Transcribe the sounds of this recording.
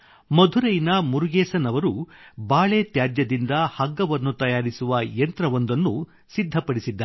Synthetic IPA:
mɐd̪ʱuɾɐjnɐmuɾuɡeːsɐnɐʋɐɾubaːɭet̪jaːd͡ʒjɐd̪ind̪ɐhɐɡːɐʋɐnːut̪ɐjaːɾisuʋɐjent̪ɾɐʋond̪ɐnːu | sid̪ʱːɐpɐɽisid̪ːɐ

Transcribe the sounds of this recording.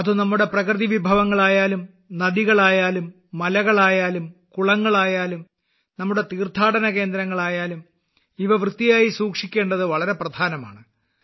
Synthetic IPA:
ɐðɨnɐmːuɽe̞prɐkrɨðiʋibʱɐʋɐŋːɐɭaːjaːlum | nɐðiɣɐɭaːjaːlumː | ɐlɐɣɐɭaːjaːlumkuɭɐŋːɐɭaːjaːlum | nɐmːuɽe̞t̪iːrt̪ʰaːɽɐnɐke̞ːnd̪ɾɐŋːɐɭaːjaːlum | iʋɐʋrɨt̪ːijaːjisuːkʂikʲːe̞ːɳɖɐðɨʋɐɭɐɾe̞prɐd̪ʱaːnɐma̰ːɳɨ

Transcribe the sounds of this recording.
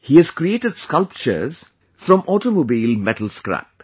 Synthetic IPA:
hiːæz̥kɾieːʈəɖskʌlp̚t͡ʃə̰ɾz̥ | fɾɔ̃mʔɔʈomoːbiːlmɛʈəl̩skɾæ̰p

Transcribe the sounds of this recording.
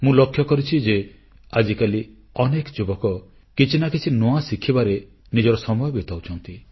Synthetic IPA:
mũlokʰːjɔkɔɾit͡ʃʰid͡ʒe | ad͡ʒikali | ɔnekɔd͡ʒubɔkɔ | kit͡ʃʰinakit͡ʃʰinoasikʰːibaɾe | nid͡ʒɔɾɔsɔmɔjɔbit̪awt͡ʃʰɔnt̪i

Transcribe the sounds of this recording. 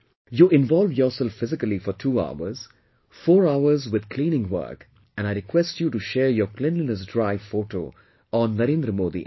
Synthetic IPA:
juːɪ̃nʋɔːlʋjɔːsɛlffːɪzɪkəlifɔɾʈʰuːa̰ʊə̰ɾz̥ | fɔːɾaʊəɾzʋɪd̪kʰlĩːnɪ̃ŋʋə̰ɾk | ɛ̃naɪɾɪkʰwɛsʈjuːʈuʃɛːɾjɔːklɛ̃nlinəs̬ɖɾaɪʋfoːʈo̰ː | ɔ̃nːəɾẽːnd̪ɾəmoːd̪ḭ

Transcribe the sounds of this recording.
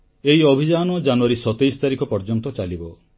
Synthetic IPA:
eɦiɔbʱid͡ʒanɔd͡ʒanuaɾisɔt̪ejsɔ̥t̪aɾikʰɔpɔɾd͡ʒɔnt̪ɔt͡ʃalibɔ

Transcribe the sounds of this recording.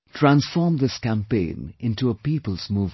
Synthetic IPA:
tʰɹæ̃nsfɔːɹmðɪskæ̃mpẽɪ̃nɪ̃ntuəpiːpəlˠz̥muːv

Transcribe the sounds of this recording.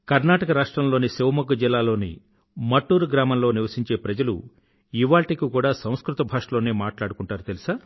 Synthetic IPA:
kɐɾnaːʈɐkɐɾaːʂʈɾɐmloːniseʋmɐɡud͡ʒilːaːlo̞ːnḭ | mɐʈːuːɾuɡɾaːmɐmlo̞ːniʋɐsiɲt͡ʃe̞ːpɾɐd͡ʒɐlṵ | iʋaːɭʈikikuːɽaːsɐ̃w̃skɾut̪ɐbʱaːʂɐlo̞ːneːmaːʈlaːɽukuɳʈaːɾut̪elisaː

